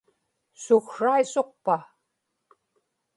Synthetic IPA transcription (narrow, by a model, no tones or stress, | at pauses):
sʊxʂajsoq̚pa